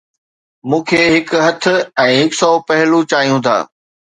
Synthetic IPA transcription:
mũːkʰeːɦɪkɦɐt̪ʰʊ̆ɛ̃ːɦɪksɔːpɐɦɪlut͡ɕaːijũt̪ʰa̰ː

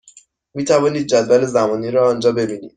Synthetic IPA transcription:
miːt̪ʰævɒːniːd̪̚d͡ʒæd̪væle̞zæmɒːniːɾɒːɒːnd͡ʒɒːbe̞biːnḭːd̪̥

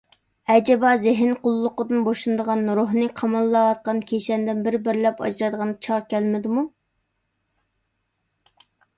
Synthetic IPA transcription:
ɛd͡ʒɛbɑzɪɦɪnqʰʊlˠːʊqəd̪ɨnboʃunɨd̪əʁɑnɾoɦnɨqʰɑmɑlˠːɑwɑt̪̚qɑnkʲʰeʃɛnd̪ɪnbɪɾbɪɾlɛpɑ̰d͡ʒɾɑd̪əʁɑnd̪ɑt͡ʃʰɑɾkʲɛlmɪd̪ɪmu

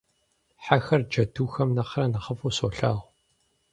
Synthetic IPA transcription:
ħaxɐrd͡ʒɐtʰuːxɐmnɐqrɐnɐχəfuːso̰ːɬaːʁ

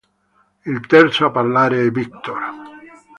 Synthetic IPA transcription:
ilt̪ɛrt̪soaparlaːɾeɛvik̚t̪or

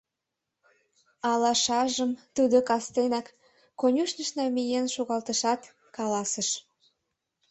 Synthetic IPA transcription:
ɑlɑʃɑʒəmt̪ud̪okɑst̪enɑkː | onʲuʃnəʃnɑmijenʃuɣɑlt̪əʃɑt̪ | kɑlɑsəʃ

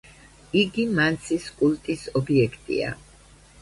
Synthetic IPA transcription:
iɡimant̪sʰiskʼulˠt̪ʼisɔbiɛkʰt̪ʼḭa̰

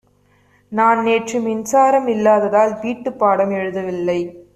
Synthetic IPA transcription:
naːnneːʈrɯmɪnsaːɾɐmɪlːaːðɐðaːlʋiːʈːɯpːaːɽɐmɛɻɯðɐʋɪlːɐɪ

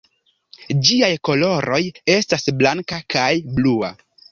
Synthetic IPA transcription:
d͡ʒiajko̞lo̞ɾʔo̞je̞stasblaŋkakajblua̰

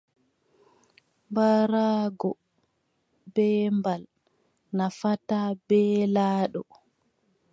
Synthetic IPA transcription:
mbaɾaːɡɔ | bɛːmbal | nafatabɛːlaːɗɔ

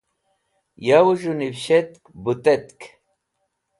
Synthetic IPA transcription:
jawuʒunibɕet̪kbut̪et̪k

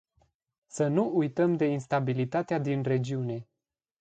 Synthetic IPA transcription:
sənuujt̪əmd̪e̞inst̪abilit̪at̪ead̪inre̞d͡ʒiune̞

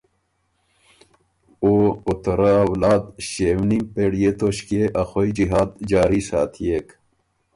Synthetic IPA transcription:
oːot̪ɐɾaːwlaːd̪ɕeːwnimpeɽijet̪oɕkeʔɐxoid͡ʑiɦaːd̪d͡ʒaːɾisa̰ːt̪ʰijeːk

